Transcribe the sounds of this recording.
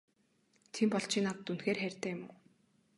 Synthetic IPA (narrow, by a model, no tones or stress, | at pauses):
t̪ʰimpɔɮt͡ɕʰiːnat̪t̪ːunxeːrχærʲt̪æːjʊmʊː